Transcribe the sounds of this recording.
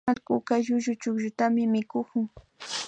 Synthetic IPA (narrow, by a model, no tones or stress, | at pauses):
alkʊkaʒʊʒʊt͡ʃʊkʒʊt̪amɪmɪkʊkʊŋ